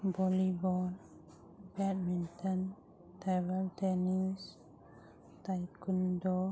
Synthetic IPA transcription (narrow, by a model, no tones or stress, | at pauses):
bɔlibɔl | bɛt̪̚mint̪ɔn | t̪ɛvəlt̪ɛnis | t̪ajkundɔ